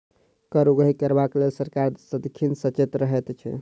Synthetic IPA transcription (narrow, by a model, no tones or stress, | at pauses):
kəɾuɡəɦikəɾbaklelsəɾkaɾsəd̪ikʰːinsət͡ʃet̪ɾəɦɛt̪t͡ʃʰɛ̰